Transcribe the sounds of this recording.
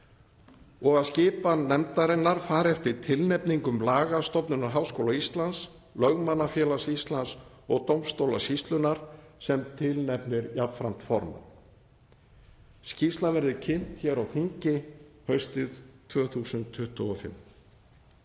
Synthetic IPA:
ɔɣaðscɪːpanɛmt̪aɾɪnːaɾ̥faːɾɛft̪ɪɾ̥t̪ʰɪlnɛpniŋkʏmlaːɣast̪ɔpnʏnaɾɦawskowlaist̪lans | lœɣmanːafjɛːlasist̪lans | ɔɣt̪owmst̪owlasist̪lʏnaɾ̥sɛmt̪ʰɪlnɛpnɪɾjapfɾam̥t̪fɔ̰ɾma̰ | scist̪lavɛɾðɪcʰɪn̥t̪çɛɾawθiɲcɪhœɥst̪ɪðt̪ʰvœːθusʏnt̪ʰːʏht̪ɔɔfɪ̰mː

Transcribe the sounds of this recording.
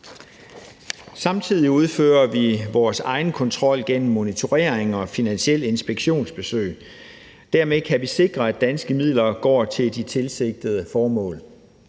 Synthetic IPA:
sɑ̈mt͡sʰið̞̰ˠiuð̞ˠføːɐʋiʋɒːsɑ̈ɪn̩kʰɒ̽nt͡sʰʁɒ̽l̰ɡ̥en̰m̩ːo̝nit͡sʰo̝ʁeɐeŋɒ̽finænɕiel̰e̝nsb̥eɡ̥ɕo̝̰ːnsb̥e̝sø̰ɪ | d̥æɐmekʰæʋise̝ɡ̥ʁɐæd̥ænsɡ̥əmið̞̰ˠlɐɡ̥ɒ̰ːt͡sʰe̝ld̥it͡sʰe̝lse̝ɡ̥̚d̥əð̞ˠəfɒːmɔ̰̽ːl

